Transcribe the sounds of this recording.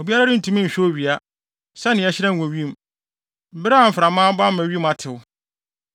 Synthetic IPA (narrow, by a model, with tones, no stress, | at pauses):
o˨bi˦a˦ɾa˦ɾɪ˦n̩˦˨tʰũ˦mĩ˦˨ɕᶣɛ˦o˦˨ɥi˨a˦ | sɛ˦nɪ̃˨ɛ˦ɕɪ˦ɾã˦˨wɔ̃˨ɥi˦m˨ | bɾa˦˨m̩˨fɾa˨mãː˦ba˦m̩˦mæ̃˨ɥi˦ma˨tʰɪ˨wʊ˦